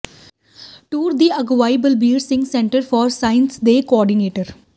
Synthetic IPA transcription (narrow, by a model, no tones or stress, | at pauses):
ʈuːɾd̪iəɡʋaːjəbəlbiːɾsɪ̃ŋɡsɛ̃ɳʈəɾfɔːɾsãɪ̃nsd̪eːkoɔːɾɖineːʈəɾ